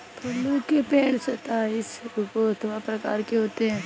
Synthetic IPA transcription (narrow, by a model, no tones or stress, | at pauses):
t̪oːloːkepeːɳsot̪aɪsʊkoɐt̪ʰʋapɾɐka̰ːɾkeɦoːt̪eɦɛ̃ː